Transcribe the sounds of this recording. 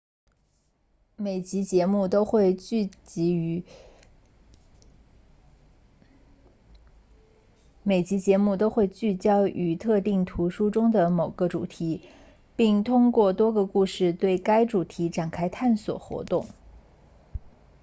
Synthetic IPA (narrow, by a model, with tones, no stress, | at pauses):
me˨˩ɪt͡ɕi˧˥t͡ɕjɛ˧˥mu˥˩t̪o˥ʊxwe˥˧ɪ˥˩t͡ɕi˧˥˧ | me˨˩ɪt͡ɕi˧˥t͡ɕjɛ˧˥mu˥˧t̪o˥ʊxwe˥˧ɪt͡ɕy˥˩t͡ɕjɑ˥ʊʔy˧˥t̪ʰɤ˥˧t̪i˥˩ŋt̪ʰu˧˥ʂu˥ʈ͡ʂʊ˥ŋd̪ə˨mo˨˩ʊɡ̥ə˦ʈ͡ʂṵ˨˩t̪ʰi˧˥ | pi˥˩ŋt̪ʰʊ˥ŋkwɔ˥˩t̪wɔ˥ɡə˧ku˥˧ʂɻ̩˥˧t̪we˥˩ɪka˥ɪʈ͡ʂu˨˩t̪ʰi˧˥ʈ͡ʂa˨˩nkʰa˥ɪt̪ʰa˥˩nswɔ̰˨˩xwɔ̰˧˥t̪ʊ˥˩ŋ